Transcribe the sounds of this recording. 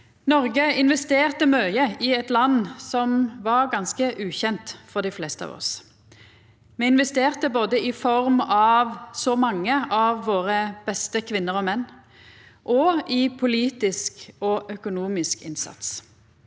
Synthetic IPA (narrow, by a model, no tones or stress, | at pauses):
nɔʁɡəɪnʋɛst̪eːʁt̪əmœʏəɪɛt̪lɑnːsɔmʋɑʁɡɑnskəʔʉːçɛnt̪fɔʁd̪ɪflɛːst̪əɑ̰ːʋɔ̰s | mɛːɪnʋɛst̪eːʁt̪əboːd̪əɪfɔʁmɑʋsɔmɑŋːəʔɑʋːoːʁəb̥ɛst̪əkʰʋɪnːəʁɔmɛnː | ʔɔɪpʰʊliːt̪ɪskɔʔœkʊnuːmɪskɪ̰nsɑ̰t̪s